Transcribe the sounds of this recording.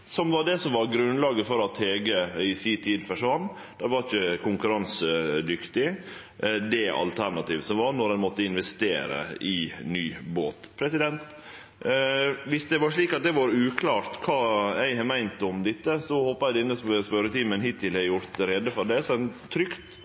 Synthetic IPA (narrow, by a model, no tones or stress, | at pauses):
sɔmʋɑɖɛsɔmʋɑɾɡɾʉnlɑːɡəfɔɾɑt̪heːɡəɪsiːt̪ʰiːd̪fɔʂʋɑnː | d̪̥ɛɾʋɑɾɪçəkʰʊŋkʉɾɑnsəd̪ʏkt̪ɪ | d̪ɛʔɑ̰lt̪ʰæɾnɑt̪iːʋsɔmʋɑɾnɔɾɛnmɔt̪ːəɪnʋɛst̪ḛːɾə̰ɪnyːboːt̪pʰɾɛsɪd̪ɛnt̪ | ʋɪsd̪ɛʋɑʂɭiːkɑt̪̚d̪ɛʋɑɾʉːkʰlɑːɾt̪kʰɑːæɪhɑmæɪnt̪ʊmd̪ɪt̪ːəsɔhoːpːɑæɪd̪ɛnːəsspœɾət̪ʰiːmənɦɪt̪ːɪlɛjʊɾt̪ɾɛd̪əfɔɾɖ̪ɛsɛt̪ʰɾʏkt̪